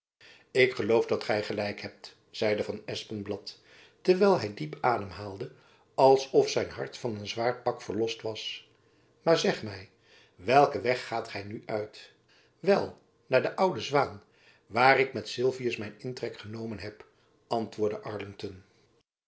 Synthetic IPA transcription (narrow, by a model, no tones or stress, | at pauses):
ɪkχəlowvdɑtχɛjχəlɛjkɦɛp̚t | z̥ɛjdəvɑnɛspənblɑtː | əɹʋɛjlˠɦɛjdipaːdəmɦaːlˠdə | ɑlˠsɔfsɛjnɦɑ̰ɹtfɑnənzʋaːɹpɑkfəɹlɔstʋɑs | maːɹzɛχmɛj | ʋɛlˠkəʋɛχːaːtχɛjnyʔœɥt | ʋɛlˠ | naːɹdəʔʌwdəzʋaːn | ʋaːrɪkmɛtsɪlˠviəsmɛjnɪntrɛkχənowmənɦɛp | ʔɑntʋʊːɹdəʔɑɹlɪŋtɔn